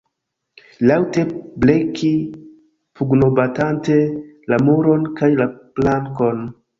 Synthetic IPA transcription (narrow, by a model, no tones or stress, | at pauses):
lawte̞bleki | puɡno̞batante̞ | lamuɾo̞nkajlaplaŋko̞n